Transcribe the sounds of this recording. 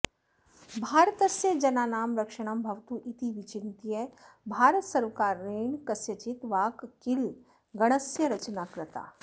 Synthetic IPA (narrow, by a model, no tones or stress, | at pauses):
bʱaːɾt̪əsjəd͡ʒɐnaːnaːmɾɐkʃəɽ̃ɐmbʱɐʋt̪uːʔit̪iʋit͡ʃɪnt̪ijəbʱaːɾət̪sɐɾʋəkaːɾːeːɳkɐsjɐt͡ʃit̪ʋaːkkil | ɡɐɽ̃əsjɐɾɐt͡ʃnaːkɾɪt̪a̰ː